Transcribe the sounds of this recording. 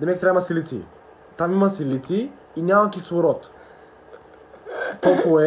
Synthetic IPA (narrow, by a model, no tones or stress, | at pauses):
d̪ɛmɛk̚ʲt̪ɾamɐsilit̪sḭ | t̪amimɐsilit̪siː | nʲamakisvoɾɔt̪ | t̪ɔkoɛ